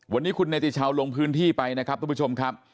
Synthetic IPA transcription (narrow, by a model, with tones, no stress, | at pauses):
wa˧nːiː˦˥kʰu˧nːeː˧t̪i˨˩t̚t͡ɕʰaː˧wlo˧ŋpʰɯː˦˥nt̪ʰiː˥˩pa˧jna˦˥kʰa˦˥ɾʰu˧˦˩pʰːt͡ɕʰo˧mkʰa˦˥p̚